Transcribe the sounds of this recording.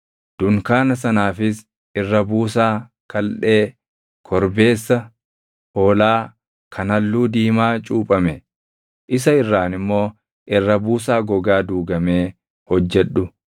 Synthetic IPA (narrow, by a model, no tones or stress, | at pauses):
d̪̥ʊŋkaːnɐs̬ɐnaːfɪs | ʔɪrːɐbuːsaː | kɐlᶑe̞ː | kʰɔɾbe̞ːsːɐ | ʔoːlaː | kʰɐnɐlːuːd̪iːmaːt͡ʃʼuːpʼɐmɛ | ʔɪs̬ɐɪrːaːnɪmːo̞ː | ʔɪrːɐbuːs̬aːɡɔɡaːd̪uːɡɐmeː | hɔd͡ʒːɛᶑːʊ